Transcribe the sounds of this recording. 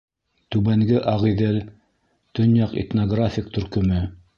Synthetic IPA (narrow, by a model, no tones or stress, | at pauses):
t̪ʉβæŋɡɘʔɑʁiðɘl | t̪ɵ̆njɑqḛt̪noɡrafʲɪk̚t̪ɵ̆ɾkɵ̆mɵ